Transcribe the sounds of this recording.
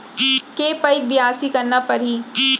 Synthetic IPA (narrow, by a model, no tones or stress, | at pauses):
keːpɐɪk̚bɪɦaːsikɐɾnapɐɾɦiː